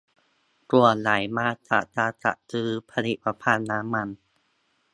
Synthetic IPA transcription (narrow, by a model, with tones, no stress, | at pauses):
ku˨˩ət̚la˨˩˦jmaː˧ta̰˧˩taː˧t̪a̰˧˩ʔtɯː˦˥pʰa˧li˨˩ʔ̚pa˧pʰaː˧nːaː˦˥mːa˧n